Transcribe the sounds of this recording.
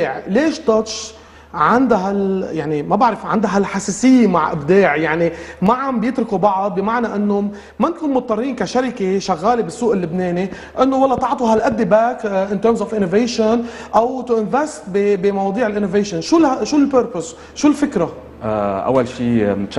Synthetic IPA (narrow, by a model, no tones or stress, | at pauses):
ʕleːʃd̪ɑt̪ʃ | ʕand̪aɦaljaʕnimabaʕɾɪfʕa̰nd̪aɦalħaseːsɪjːemaʕʔɪ̰bd̪eːʕjaʕnimaʕambjɪt̪ɾʊkubɑʕɑd̪̚bɪmaʕnaʔɪnːo | mankuːnmʊt̪ˤːɑrˤːiːnkaʃaɾɪkeʃaɣːaːlebɪsːuːʔɪlːɪbneːni | ʔɪnːowɑlːɑt̪ˤɑʕt̪ˤuɦalʔad̪ːebakʔɪnt̪əːɾmzofʔɪnovejʃn | ʔawt̪uʔɪnvɛst̪̚bibimɑwɑːd̪ˤiːʕɪlʔɪnoveːʃɔnʃulʃulpəɾpʊs | ʃuːlfɪkɾa | ʔa̰wːalʃiːm